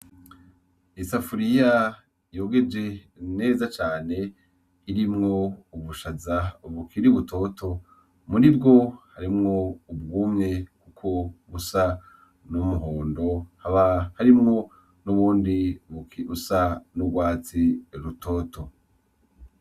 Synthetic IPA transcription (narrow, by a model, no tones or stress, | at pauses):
isafuɾija | jo̞ːɡe̞d͡ʒe̞ | ne̞ːzat͡ʃaːne̞ | iɾimŋo̞uβuʃazaβukʰiɾiβutʰo̞ːtʰo̞ | muɾibɡo̞haɾimŋo̞ubɡuːmŋe̞kukʰo̞βusa | numuɦoːndo̞haβahaɾimŋo̞ | nuβuːndiβusanuɡwaːt͡siɾutʰoːtʰo̞